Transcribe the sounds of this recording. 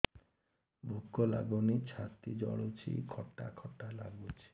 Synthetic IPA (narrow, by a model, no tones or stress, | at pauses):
bʱukːola̰ɡonit͡ɕʰat̪id͡ʑɔ̰ɭot͡ɕʰḭkʰɔʈːakʰɔʈːala̰ɡut͡ɕʰi̥